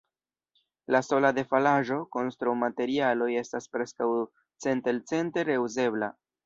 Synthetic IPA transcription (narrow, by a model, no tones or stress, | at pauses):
laso̞lade̞falaʒo̞ko̞nst̪ɾuwmate̞ɾialo̞je̞staspɾe̞skaw | t͡se̞ntelt͡se̞nte̞ɾe̞uze̞bla